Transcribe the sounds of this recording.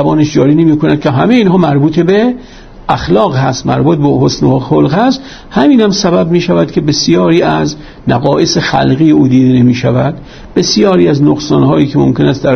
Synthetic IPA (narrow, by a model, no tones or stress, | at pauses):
æbɒːneʃd͡ʒɒːɾiːnemiːkonæd̪̥̚kʲʰeɦæmeiːnɦɒːmæɾbuːt̪ʰebe | ʔæxlɒːɣhæst̪mæɾbuːt̪̚ʰbehosnoxolɣhæst̪ | hæmiːnhæmsæbæbmiːʃævæd̪̥kʰe̞be̞sijɒːɾiːæz | næɣɒːʔesexæ̰lɣiːjeuːd̪iːd̪enemiːʃævæd̪ | b̥e̞sjɒːɾiːæznoɡsɒːnhɒːjiːkʰemo̰mkʲʰenæst̪d̪æɾ